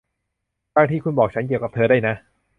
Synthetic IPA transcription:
t̪aː˥˩ŋt̪ʰiː˥˩kʰu˧nbɔː˨˩k̚t͡ɕʰa˦˥nki˨˩wka˨˩p̚t̪ʰɤː˧ɾa˥˩jna˦˥

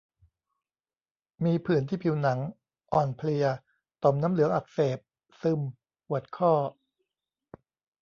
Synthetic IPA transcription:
miː˧pʰɯː˨˩nt̪ʰiː˥˩pʰi˧wna˩˦ŋ | ʔɔː˨˩npʰli˧ɐ | t̪o˨˩mnaː˦˥mlɯ˨˦ɐŋʔa˨˩k̚seː˨˩p̚ | sɯ˧m | ʔu˨˩ət̪̚kʰɔː˥˩

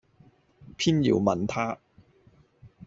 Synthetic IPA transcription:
pʰiː˥njḭː˨˩wmɐ˨˩nt̪ʰaː˥

